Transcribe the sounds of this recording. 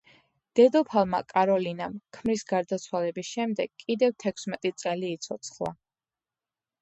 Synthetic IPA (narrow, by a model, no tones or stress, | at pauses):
d̪̥ɛd̪ɔpʰalˠma̰kʼaɾɔlinamkʰmɾisɡaɾd̪at̪sʰwalɛbisʃɛmd̪ɛɡ̥kʼːid̪ɛvt̪ʰɛkʰsmɛt̪ʼit̪sʼɛliːt̪sʰɔt̪sʰχlˠa̰